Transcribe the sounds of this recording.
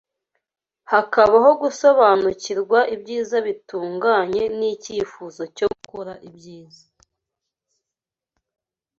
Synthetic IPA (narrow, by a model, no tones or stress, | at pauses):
hakaβaɦo̞ɡuso̞βaːnuciɾɡwaʔibɟiːzaβituːŋɡaɲe̞niciːfuzo̞coukoɾaʔibɟiːza